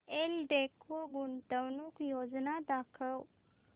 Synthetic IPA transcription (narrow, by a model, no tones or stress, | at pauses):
elɖekʰʋəɡuɳʈ̪əwnukjod͡znad̪akʰəw